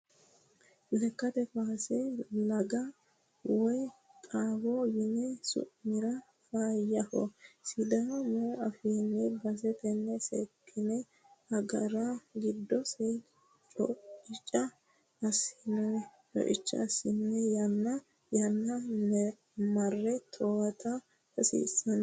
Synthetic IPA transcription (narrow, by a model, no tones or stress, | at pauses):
lɛkːɐt̪ɛfaːsɛlɐɡɐ | wɔjkʼaːwɔjɪnɛsʊ̰ʔmɪɾɐ | faːjːɐfɔ̰sɪd̪amɔɐfinːɛbɐsɛt̪ɛnːɛsɛkʰːɪnɛ | hɐɡɐɾaɡɪd̪ːɔsɛj | t͡ʃʼɔɪt͡ʃʼːɐː | sɪnɔt͡ʃʼɔ̰ʔɪt͡ʃːɐ̰sɪnːɛjɐnːɐ | jɐnːɐnɛ | mɐrːɛt̪ʰowɐt̪ɐ | kɐsḭːsːɐn